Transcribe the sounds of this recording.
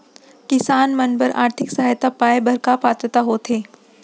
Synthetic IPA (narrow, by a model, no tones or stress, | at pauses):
kɪsaːnmɐnbəɾa̰ːɾt̪ʰɪksɐɦaːjt̪apaːjbʱɐɾkapaːt̪ɾət̪aɦoːt̪ʰeː